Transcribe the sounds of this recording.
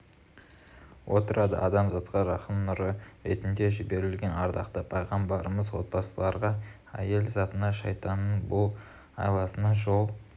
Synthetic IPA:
wʔo̞t̪əɾʔɑd̪ə̰ʔɑd̪ɑmzɑt̪qɑɾɑχəmnʊɾəɾet̪ɪnd̪e̞ʒɪbe̞ɾɪlɡʲe̞nɑɾd̪ɑqt̪əpʰɑjʁɑmbɑɾəməzwo̞t̪̚bɑsəlˠɑɾʁɑ | æ̰je̞lzɑt̪ənɑʃɑjt̪ɑnənbʊlˠ | ɑ̰jlˠɑsənɑʒo̞lˠ

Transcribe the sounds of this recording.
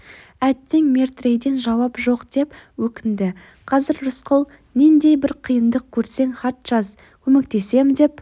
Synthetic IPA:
æt̪ːɪŋmʲe̞ɾt̪re̞jd̪e̞nʒɑwɑpʒo̞qd̪̥e̞pwɵkʲɪnd̪ɪ | qʰɑzɪɾɾʊsqʰəlˠ | nend̪e̞jbɪɾqʰijənd̪əq̚kʲʰɵɾse̞ŋχɑt̪ʒ̥ɑz | kʲʰɵmek̚t̪e̞se̞md̪e̞p

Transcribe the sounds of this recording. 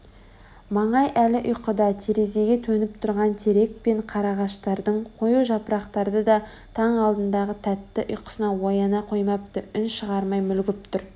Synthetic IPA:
mɑɴɑjʔælɪʔʊjqəd̪ɑt̪ʰe̞ɾe̞ze̞ɡʲe̞t̪ʰɵnɪp̚t̪ʰʊɾʁɑnt̪ʰe̞ɾe̞k̚pe̞ɴqʰɑɾɑʁɑʃt̪ɑɾd̪əɴqʰo̞juʒɑpɾɑqt̪ɑɾd̪əd̪ɑ | t̪ʰɑɴɑlˠd̪ənd̪ɑʁət̪ʰæt̪ːɪʔʊjqə̥sənɑwojɑnɑqʰo̞jmɑp̚t̪əʏnʃəʁɑɾmɑjmʏlɡʲɪp̚t̪ʰʊɾ

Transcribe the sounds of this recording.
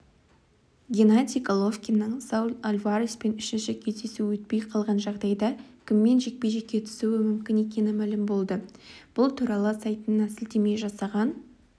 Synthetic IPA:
ɡʲenat̪ʲikolˠo̞fkʲinːəɴsɑwlalʲvaɾispe̞nʏʃɪnʃɪkʲʰe̞zd̪e̞suwɵt̪̚pe̞jqʰɑlˠʁɑnʒɑʁd̪ɑjd̪ɑkʲʰɪmːe̞nʒe̞k̚pe̞jʒe̞kʲːe̞t̪ʰʏ̥suwɪmʏmkʲɪne̞k̬ʲe̞nɪmælɪmbo̞lˠd̪əb̥ʊlˠt̪ʰuɾɑlˠəsɑjt̪ənːɑsɪld̪e̞me̞ʒɑsɑʁɑn

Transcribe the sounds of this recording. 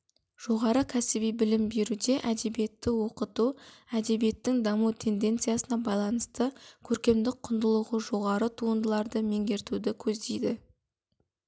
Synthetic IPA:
ʒ̥o̞ʁɑɾəkʲʰæsɪbijbɪlɪmbe̞ɾud̪e̞ʔæd̪e̞bije̞t̪ːɪwo̞qət̪uæd̪e̞bije̞t̪ːɪŋd̪ɑmut̪ʰe̞nd̪e̞nt̪sɨjasənɑbɑjlˠɑnəst̪əkʲʰɵɾkʲe̞md̪ɪk̚qʰʊnd̪əlˠəʁəʒo̞ʁɑɾət̪ʰuənd̪əlˠɑɾd̪əme̞ŋɡʲe̞ɾt̪ud̪ɪkʲʰɵzd̪e̞jd̪ɪ

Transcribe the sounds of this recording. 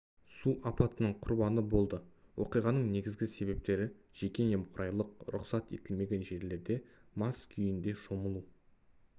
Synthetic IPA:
suʔɑpɑt̪ənəɴqʰʊɾbɑnəbo̞lˠd̪əwʔoqijʁɑnəɴne̞ɡʲɪzɡʲɪse̞βe̞p̚t̪e̞ɾɪʒ̥e̞kʲe̞ne̞mqʰʊɾʔɑjlˠəq̚ɾʊ̰qsɑt̪e̞̰t̪ɪlme̞ɡʲe̞nʒe̞ɾle̞ɾd̪e̞mɑskʲʰʏjɪnd̪e̞ʃo̞məlˠu

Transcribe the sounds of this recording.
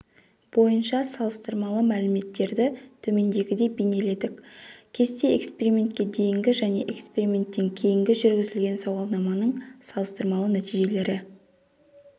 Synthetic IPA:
b̥o̞jənʃɑsɑlˠəst̪əɾmɑlˠəmælɪme̞t̪ːe̞ɾd̪ɪt̪ʰɵme̞nd̪e̞ɡʲɪd̪e̞bene̞le̞d̪ɪkʲkʲʰe̞st̪e̞ḛkspe̞ɾimʲe̞nt̪̚kʲe̞d̪e̞jɪŋɡʲɪʒæne̞ʔekspe̞ɾimʲe̞nt̪ːeŋkʲʰe̞jɪŋɡʲɪʒʏɾɡʲɪzɪlɡʲe̞nsɑwɑlˠnɑmɑnəɴsɑlˠəst̪əɾmɑlˠənæt̪iʒe̞le̞ɾɪ

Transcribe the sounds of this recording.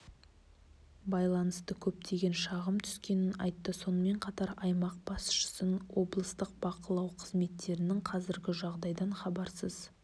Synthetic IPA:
bɑjlˠɑnəst̪əkʲʰɵp̚t̪ʰe̞ɡʲe̞nʃɑʁəmt̪ʰʏ̥skʲe̞nɪnɑ̰jt̪ːəso̞nəme̞ɴqʰɑt̪ɑɾɑjmɑq̚b̥ɑsʃə̥sənwo̞blˠəst̪əq̚b̥ɑqəlˠɑwqʰəzme̞t̪ːe̞ɾɪnɪŋqʰɑzɪɾɡʲɪʒɑʁd̪ɑjd̪ɑɴχɑbɑɾsəz̥

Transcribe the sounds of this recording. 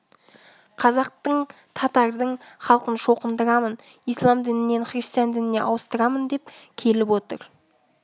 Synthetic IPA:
qʰɑzɑq̚t̪əɴ | t̪ʰɑt̪ɑɾd̪əɴχɑlˠqənʃo̞qənd̪əɾɑmən | ijslˠɑmd̪ɪnɪne̞nχɾʲist̪ijand̪ɪnɪne̞̰ʔɑwəst̪əɾɑmənd̪e̞p̚kʲʰe̞lɪpwo̞t̪ə̰ɾ

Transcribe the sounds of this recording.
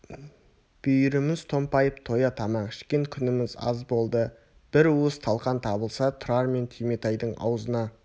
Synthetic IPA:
b̥ʏjɾɪmɪzt̪ʰo̞mpɑjəpt̪ʰo̞jɑt̪ʰɑmɑɴkʰɪ̥ʃkʲe̞ŋkʲʰʏnɪmɪzɑ̰zbo̞lˠd̪ə | b̥ɪɾuəst̪ʰɑlˠqɑnt̪ʰɑbəlˠsɑt̪ʰʊɾɑɾme̞nt̪ʰijmet̪ɑjd̪əɴɑ̰wzənɑ

